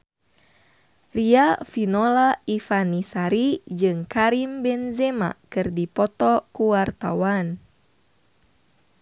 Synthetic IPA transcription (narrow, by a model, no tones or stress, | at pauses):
riafinɔlaifanisaɾid͡ʒɨŋkaɾimbɛnzɛma̰kɨrdipɔt̪ɔkuwart̪awan